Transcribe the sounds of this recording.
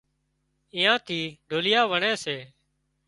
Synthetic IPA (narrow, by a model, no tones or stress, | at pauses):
ɪjãːt̪ʰiːɖʱoːlɪjaːʋəɳeːseː